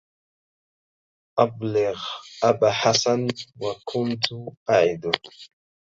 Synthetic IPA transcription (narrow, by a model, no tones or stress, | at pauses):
ʔablɪɣʔabaħasanwakʰʊnt̪ʊʔaʕɪd̪ʊ